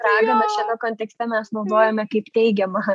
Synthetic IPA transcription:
pɾɑːɡɐbʲɛt̪ʃʲɛnɐkoːnʲt̪ʲɛksʲt̪ʲɛmʲɛsnoːd̪oːjɛmʲɛkɐɪpt̪ʲɛɪɡʲɛmɐ

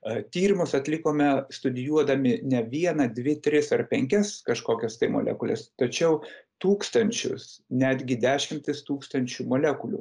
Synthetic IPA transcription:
t̪ʲiːɾʲɪmʊsɐt̪ʲlʲɪkoːmʲɛst̪ʊd̪ʲɪjuɔd̪ɐmʲɪnʲɛʋʲiɛnɐd̪ʲʋʲɪt̪ʲɾʲɪsɐrpʲɛŋʲkʲɛskɐʃkoːkʲɛst̪ɐɪmo̰lʲɛ̰kʊlʲɛ̰st̪ɐt͡ʃʲɛʊt̪uːkst̪ɐnʲt͡ʃʲʊ̰snʲæːd̪ʲɡʲɪd̪ʲæːʃʲɪmʲt̪ʲɪst̪uːkst̪ɐnʲt͡ʃʲuːmoːlʲɛkʊlʲṵː

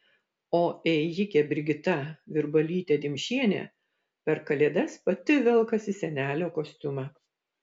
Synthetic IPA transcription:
oːɛɪjɪkʲɛbʲɪɾʲɡʲɪt̪ɐʋʲɪɾbɐlʲiːt̪ʲeːd̪ʲɪmʲʃʲiɛnʲḛː | pʲɛɾkɐlʲeːd̪ɐspɐt̪ʲɪʋʲɛlˠkɐsʲɪsʲɛnʲæːlʲoːkoːsʲt̪ʲʊmɑ

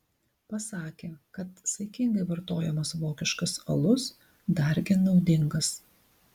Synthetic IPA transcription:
pɐsɑːkʲeːkɐt̪sɐɪkʲɪŋɡɐɪʋɐɾt̪oːjɛmɐsʋoːkʲɪʃkɐsɐ̰lˠʊs | d̪ɐɾʲɡʲɪnɒʊd̪ʲɪŋɡɐs

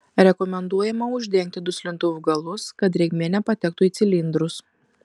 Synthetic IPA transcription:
ɾʲɛkɔmʲɛnd̪uɔjɛmɐʊʒʲd̪ʲɛŋʲk̚ʲt̪ʲɪd̪ʊsʲlʲɪnt̪oʋʊɡɐlˠʊskɐt̪̬ɾʲɛɡmʲiːnʲɛpɐt̪ʲɛk̚t̪ʊːiːt̪sʲɪlʲɪnd̪ɾʊs

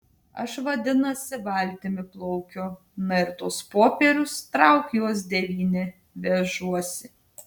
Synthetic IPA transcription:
ɐʃʋɐd̪ʲɪnɐsʲɪʋɐˑlʲˑt̪ʲɪmʲɪplˠɔʊkʲoː | nɐɪɾt̪ʊspoːpʲɛɾʲʊst̪ɾɑʊkjuɔs̬d̪ʲɛʋʲiːnʲɪ | ʋʲɛʒuɔsʲɪ

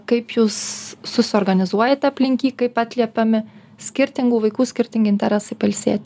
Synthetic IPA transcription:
kɐɪpjuːsːʊsʲɪoːrɡɐnʲɪzuɔjɛt̪ʲɐpʲlʲɪŋʲkʲiːkɐɪpɑːt̪ʲlʲiɛpʲɐmʲɪ | sʲkʲɪɾʲt̪ʲɪŋɡuːʋɐɪkuːsʲkʲɪɾʲt̪ʲɪŋɡʲɪnt̪ʲɛɾʲɛsɐɪpɐlʲsʲiɛt̪ʲ

